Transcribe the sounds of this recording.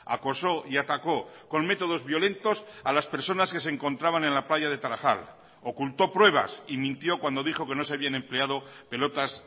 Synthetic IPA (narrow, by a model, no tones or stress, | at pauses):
a̰ko̞so̞iat̪ako̞ | ko̞nme̞t̪o̞ð̞o̞zβjo̞le̞nt̪o̞salaspe̞ɾso̞naske̞s̬eŋkõ̞nt̪ɾaβane̞nlaplaʝaðe̞t̪aɾaxa̰l | o̞kult̪o̞pɾwe̞β̞a̰simĩnt̪jo̞kwand̪o̞ðixo̞ke̞no̞s̬eaβianẽ̞mple̞að̞o̞pe̞lo̞t̪as